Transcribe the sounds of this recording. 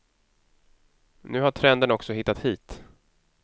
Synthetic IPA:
nʉ̟ːɦaʈʰɾɛnd̪ənɔksɔɦɪt̪ːat̪hiːt̪

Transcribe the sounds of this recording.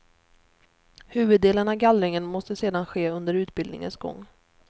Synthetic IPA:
hʉ̟ːvɵd̪ːeːlənavɡalɾɪŋənmɔst̪əseːd̪anɧeːɵnd̪əɾʉ̟ːt̪bɪld̪nɪ̰ŋə̰nsɡɔ̰ŋː

